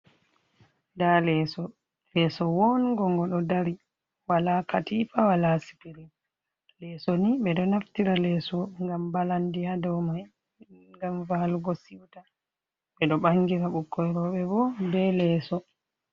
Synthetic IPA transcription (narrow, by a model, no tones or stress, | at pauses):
dalɛsɔ | lɛsɔwɔnɡɔŋɡɔɗɔdaɾi | walakatifawalasi̥piɾin | lɛsɔniɓɛɗɔnaftiɾalɛːsɔŋɡambalandihadɔmaj | ŋɡamvalɡɔsiwta | ɓɛɗɔɓaŋɡiɾaɓukːɔjɾɔɓɛbɔbɛlɛːsɔ